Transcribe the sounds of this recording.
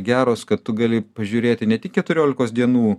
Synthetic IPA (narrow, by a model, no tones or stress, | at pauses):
ɡʲæːɾoːskɐt̪t̪ʊɡɑlʲɪpɐʒʲuːɾʲeːt̪ʲɪnʲɛt̪ʲɪkʲkʲɛt̪ʊɾʲoːlʲɪkoːsd̪ʲiɛnuː